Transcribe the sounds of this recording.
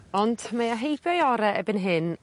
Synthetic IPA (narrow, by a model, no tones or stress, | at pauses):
ɔndmaəɦejbjɔjɔɾɛʔɛbɪnɦɪn